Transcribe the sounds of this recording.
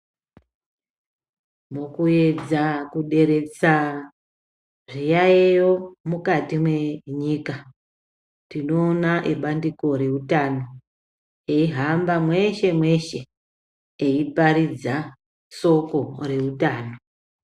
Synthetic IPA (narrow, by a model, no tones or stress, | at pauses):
mokue̞d͡zakuɗe̞ɾe̞t͡sa | ʐijaejomukatimwe̞ɲiːka | tino̞ːnaʔiɓandiko̞ɾe̞utano̞ | eiɦambamwe̞ʃe̞mwe̞ʃe̞ | eipaɾid͡za | so̞ko̞re̞utaːno̞